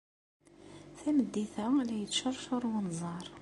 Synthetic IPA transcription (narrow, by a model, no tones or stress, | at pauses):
θæməd̪ːiθælæjət͡sːʃəɾˤʃʊɾˤwənzˤɑɾˤ